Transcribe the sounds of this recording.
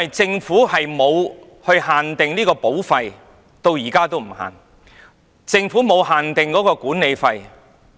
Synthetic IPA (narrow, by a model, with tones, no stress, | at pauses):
jt͡sɪ˧ŋfuː˨˥hɐ˨jmo˨˧w | hɵ˧ɥhaː˨nt̪ɪ˨ŋliː˥kɔː˧po˨˥wfɐ˧j | t̪o˧wjiː˨˩kaː˥t̪o˥wm̩˨˩ha̰ː˨n | t͡sɪ˧ŋfuː˨˥mo˨˧whaː˨˩nt̪ɪ˨ŋkɔː˨˥kɔː˧kuː˨˥nne˨˧jfɐ˧j